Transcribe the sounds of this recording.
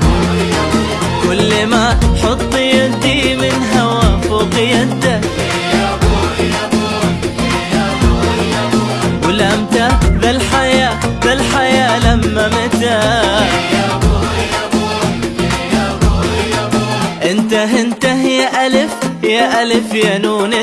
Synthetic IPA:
wɪlːɪmaħɑt̪ˤːɨjat̪imɪnɦawafuqɪjat̪a | wlamt̪aðɪlħajaːbɪlħajaːlamːamɪt̪a | ʔɪnt̪aɦɪnt̪ahɪjːaʔalɪfjaʔalɪfjanuːna

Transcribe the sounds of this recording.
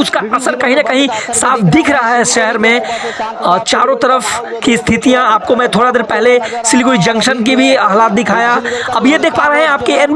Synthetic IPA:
ʊd͡ʒkaɐsəɾkɐɦĩnɐkɐɦĩsaːfʰd̪ɪkʰɾɐɦaɦɛʃɛɦɛɾmẽ | t͡ʃaːɾõt̪ɐɾəf | kist̪ʰɪt̪ijãaːp̚komɛ̃t̪ʰoːɽad̪eːɾpɛɦlesɪlikʊid͡ʒɐ̃ŋkʃənk̬ibʱiaɦlaːt̪̚d̪ɪkʰaːjaɐbjed̪eːkʰpaːɾeɦeɛ̃aːp̚keɛn

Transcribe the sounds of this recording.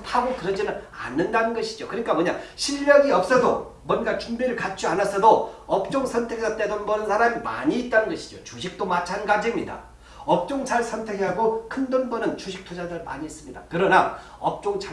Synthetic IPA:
aɡokɯɾʌd͡ʑinɯna̰nːɯndanɯnɡʌɕʰid͡ʑokɯɲik͈amʌɲaɕʰiʎːʌŋiʌp̚s͈ʌsʰʌmwʌnɡat͡ɕumbiɾɯɭkat͡ɕ͈ianas͈ʰʌdoʌp̚t͡ɕ͈oŋsʰʌntʰekesʰʌt͈edʌnbʌnɯnsʰaɾamima̰ɲiːt̚t͈anɯnɡʌɕʰi̥d͡ʑot͡ɕuɕʰik̚t͈omat͡ɕʰannɡad͡ʑʰemɲida̰ | ʌp̚t͡ɕ͈oŋt͡ɕʰaɭsʰʌntʰe̞ɡeaɡokʰɯndʌnbʌnɯnt͡ɕuɕʰik̚tʰod͡ʑadɯɾma̰ɲiːs͈ɯmɲidakɯɾʌna | ʌp̚t͡ɕ͈oŋt͡ɕʰa

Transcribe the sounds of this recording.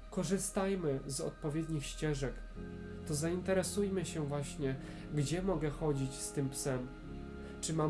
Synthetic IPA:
kɔʐɘst̪ajmɘzɔ̰t̪̚pɔvʲjɛd̪ɲixɕt͡ɕɛʐɛk | t̪ɔzaint̪ɛɾɛsujmɘɕɛvwaɕɲɛ | ɡd͡ʑɛmɔɡɛxɔd͡ʑit͡ɕst̪ɘmpsɛm | t͡ʂɘma

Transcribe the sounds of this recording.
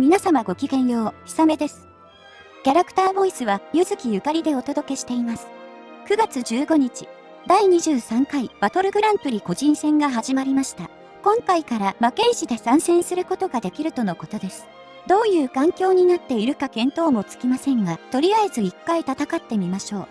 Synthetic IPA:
mʲinasamaɡo̞kʲiɡẽ̞ɰ̃jo̞ːçi̥same̞d̪e̞sɨ̥ | kʲaɾakɯ̟̥t̪aːbo̞isɨβajɯ̟zɨkʲijɯ̟kaɾʲid̪e̞o̞t̪o̞d̪o̞ke̞ɕi̥t̪e̞imasɨ̥ | kɯ̟ɡat͡sɨʑɨːɡo̞ɲ̟it͡ɕi̥ | d̪aiɲ̟iʑɨːsãŋkaib̥at̪o̞ɾɯ̟ɡɯ̟ɾãmpɯ̟ɾʲiko̞ʑĩɰ̃sẽ̞ŋɡaɦaʑimaɾʲimaɕi̥t̪a | kõ̞ŋkaikaɾamake̞iɕid̪e̞sãɰ̃sẽ̞ɰ̃sɨɾɯ̟ko̞t̪o̞ɡad̪e̞kʲiɾɯ̟t̪o̞no̞ko̞t̪o̞d̪e̞sɨ̥ | d̪o̞ːjɯ̟ːkãŋkʲo̞ːɲ̟inat̪ːe̞iɾɯ̟kakẽ̞nt̪o̞ːmo̞t͡sɨ̥kʲimasẽ̞ŋɡat̪o̞ɾʲijaezɨikːait̪at̪akat̪ːe̞mʲimaɕo̞ː

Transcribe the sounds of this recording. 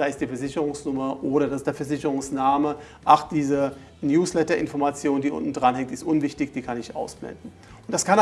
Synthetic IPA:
d̥aːɪstd̥iːfɛɐzɪçəʁʊŋsnʊmɐʔoːɾɐdasɪstd̥ːɐfɛɐzɪçəʁʊŋsnaːmə | ʔaχd̥iːzə | njuːslɛtɐʔɪ̰nfɔɐmat͡sjoːndiːʔʊ̰ntn̩dʁanɦɛŋtɪstʔʊnvɪçtɪçd̥iːkʰanɪçʔa̰ʊsb̥lɛ̰ndn̩ | ʊntd̥askʰan

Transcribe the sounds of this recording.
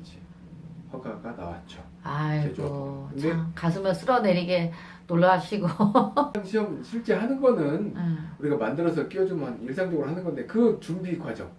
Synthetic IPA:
t͡ɕʰi̥ | haɡaɡana̰wa̰t̚t͡ɕ͈o | aied͡ʑoɯndekas̬ʰɯmjʌnsʰɯɾʌne̞ɾiɡe̞ | noɭːaɕʰiɡoanɕʰiʌmɕʰiɭt͡ɕ͈e̞ɦanɯnɡʌnɯneuɾiɡamandɯɾʌsʰʌk͈iʌd͡ʑumaniɭs̬ʰaŋd͡ʑʌɡɯɾohanɯnɡʌndekɯt͡ɕumdiɡwad͡ʑʌŋ

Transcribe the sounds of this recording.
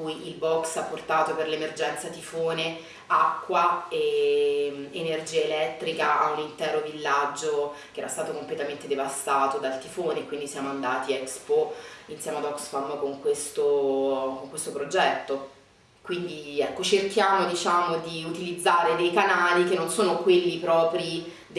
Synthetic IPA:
kujilbɔksapːort̪aːt̪operlemerd͡ʒɛnt̪sat̪ifoːne | akːwae | enerd͡ʒiːaelɛt̪ːɾikaaunint̪ɛːɾovilːad͡ʒːokeɛːɾast̪aːt̪okomplet̪ament̪ed̪evast̪aːt̪od̪alt̪ifoːneːkwind̪isjaːmoand̪aːt̪iɛkspoinsjɛmead̪ɔksfamːkoŋkwest̪okoŋkwest̪opɾod͡ʒɛt̪ːo | kwind̪iɛkːot͡ʃerkjaːmod̪it͡ʃaːmod̪iut̪ilid̪zːaːɾed̪ejkanaːlikenːonsoːnokwelːipɾɔːpɾi | d̪

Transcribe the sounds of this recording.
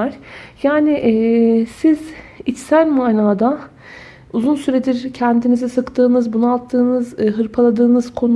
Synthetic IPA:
aɾ̥jaːnɪʔsizit͡ʃsælʲmaːnaːd̪a | uzunsyɾed̪iɾcʰɛnd̪inizɛsɯkt̪ʰɯːnɯzbunualˠt̪ʰːɯːnɯzɦɯɾpʰalˠad̪ɯːnɯz̥kʰo̞nu

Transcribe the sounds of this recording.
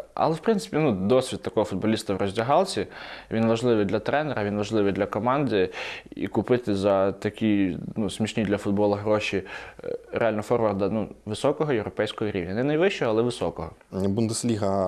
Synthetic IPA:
ɐ̰lˠɛwpɾɪnsɪ̥pʲinud̪ɔsʲʋʲid̪̚t̪ɐkɔɦɔfʊd̪̚bɔlʲist̪ɐwrʔɔzʲdʲɐɦɑlˠt͡sʲiʋʲinʋɐʒlˠɪʋɪjd̪lʲɐt̪ɾɛnɛɾɐʋʲinʋɐʒlˠɪʋɪjd̪lʲɐkɔmɑnd̪ɪḭkʊpɪt̪ɪzɐt̪ɐkʲinusmʲiʃnʲid̪lʲɐfʊd̪̚bɔlˠɐɦɾɔʃʲi | ɾḛalʲnɔfɔrʋɐrd̪ɐnuʋɪsɔkɔɦɔjewɾɔpɛjsʲkɔɦɔɾʲḭwnʲɐnɛnɐjʋɪʃt͡ʃɔɦɔːlˠɛʋɪsɔkɔɦɔ | bund̪eslʲiɦɐ

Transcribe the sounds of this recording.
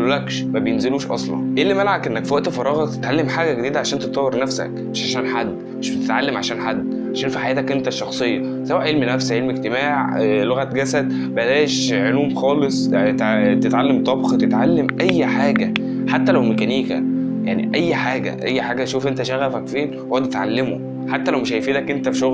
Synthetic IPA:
lolækʃmæbjenzeluːʃʔɑ̰sˤlɑ̰nʔeːlːimælʕakʔenːækfiæʔt̪fɑɾˤɑːɣɑt̪e̥t̪ʕalːemħaːɡæɡed̪iːd̪æʕaʃæːnt̪et̪ːæwːeɾnæfsæ̰kmeʃʕaʃæːnħad̪ːmmeʃbet̪et̪ʕa̰lːemʕa̰ʃæːnħad̪ː | ʕaʃæːnfiħajæːt̪ækʔent̪æʃːɑxsˤejːɑ | sæwːæʔʕelminæfsæʕelmeɡ̚t̪emaːʕloɣæt̪ɡæsæd̪̚ | bælæːeʃʕoluːmxɑːlesˤt̪t̪et̪ʕalːemt̪ˤɑbxt̪et̪ʕalːemʔæjːħaːɡæ | ħat̪ːælæwmekæniːkæ̰jaʕnḭʔæjːħaːɡæ̰ʔæjːħaːɡæʃuːfʔent̪æʃæɣæfækfeːnhoæt̪et̪ʕalːemo | ħat̪ːælæwmeʃæjfiːlækʔent̪æfiʃoɣ

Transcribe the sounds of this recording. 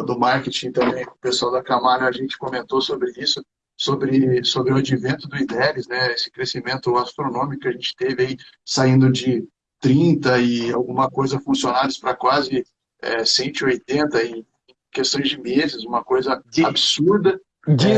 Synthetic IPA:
d̪ʊmaɾket͡ʃĩt̪ɐ̃mbẽj̃ʊpesuawd̪ɐkamaɾɐːʒẽnt͡ʃɪ̥komẽnt̪osobɾɪisʊ | sobɾɪsobɾɪʊad͡ʒivẽnt̪ʊd̪ʊĩd̪ɛɾɪznɛesɪ̥kɾesimẽnt̪ʊast̪ɾonõmikʊkɪaʒẽnt͡ʃɪ̥t̪evɪai | saĩnd̪ʊd͡ʒɪ | t̪ɾĩnt̪ɐɪawɡũmɐkojzɐfũsionaɾɪspɾɐkwazɪ | ɛ̰sẽnt͡ʃ̪ʊɪojt̪ẽnt̪ɐẽ | ẽj̃kest̪õj̃zd͡ʒɪmezɪzũmɐkojzɐd͡ʒabɪsuɾd̪ɐ | d͡ʒ

